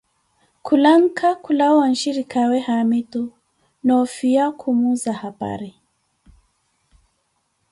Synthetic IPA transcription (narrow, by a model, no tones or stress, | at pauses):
kulaŋ̩kʰakulawan̩ʃiɾikʰawɛhamitu | nɔfiakʰumuzahapa̰ɾi